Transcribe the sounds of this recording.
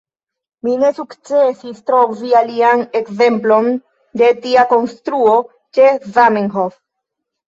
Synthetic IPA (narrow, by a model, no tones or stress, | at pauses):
mine̞sukt͡sesist̪ɾovialiane̞kze̞mplo̞n | d̪e̞tiako̞nstɾuo̞ | t͡ʃe̞zamenɦof